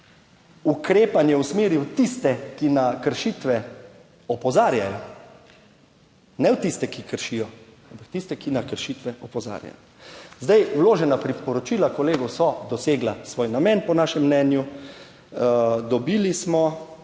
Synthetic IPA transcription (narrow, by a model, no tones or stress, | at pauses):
ukɾeːpanjɛwsmeːɾiwt̪ist̪ɛkinakəɾʃit̪ʋɛ | ɔpɔzaːɾjajɔ | nɛwt̪ist̪ɛkikəɾʃijɔampakt̪ist̪ɛkinakəɾʃit̪ʋɛʔɔpɔza̰ːɾja̰jɔ | zd̪ajwloːʒɛnapɾipɔɾɔt͡ʃiːlakɔleːɡɔwsɔd̪ɔseːɡlasʋoːjnamɛːnpɔnaːʃɛmːnɛːnju | d̪ɔbiːlismɔ